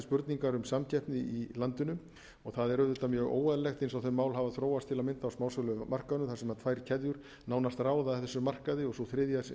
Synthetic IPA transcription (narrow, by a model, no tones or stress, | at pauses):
spʏɾt̪niŋkaɾʏmsamcʰɛhpnɪilant̪ʏnʏ | ɔɣθaðɛɾʏðɪt̪amjœːɣo̰ːwaðlɛxt̪ejnsawθɛnmaːwlɦavaðθɾoːwast̪ʰɪlaðmɪnt̪awsmaːwslœmar̥kaðʏnʏmθasɛmat̪ʰvaːjɾ̥cʰɛðjʏɾ̥ | naːwnast̪raːwðaθɛsːʏmar̥kaðɪɔɣsɔwθɾɪðjas